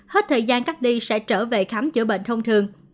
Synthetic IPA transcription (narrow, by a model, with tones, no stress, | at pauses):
he˦˥t̚t̪ʰəː˨˩jzaː˧nkaː˦˥k̚ɗi˧sɛ̰˧˥t͡ɕəː˧˩vḛ˧˨xa˨˦mt͡ɕɨ̰˧˩ɓḛ˧˨ŋ̟t̪ʰə˧wŋ͡mt̪ʰɨ˨˩əŋ